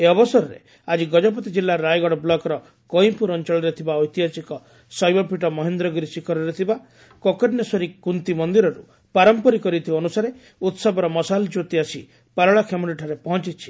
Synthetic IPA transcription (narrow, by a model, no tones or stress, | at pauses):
eɔbɔsɔɾɔɾḛ | ad͡ʒiɡɔd͡ʒɔp̬ɔt̪id͡ʒilːaɾajɡɔɽɔblɔkɔɾɔ | kɔj̃puɾɔnt͡ʃɔɭɾet̪ʰibaɔjt̪iɦasikɔ | sɔjbɔpʰiʈɔmɔɦend̪ɾɔɡuɾisikʰɔɾɔɾet̪ʰiba | kɔkɔɖnjɔsɔɾikunt̪imɔnd̪iɾɔɾṵ | paɾɔmpɔɾikɔɾit̪ʰibaɔnusaɾe | ut̪sɔbɔɾɔmɔsald͡ʒot̪iasḭ | paɾɔɭakʰemɔʈiʈʰaɾepɔɦɔ̃nt͡ʃit͡ʃʰi̥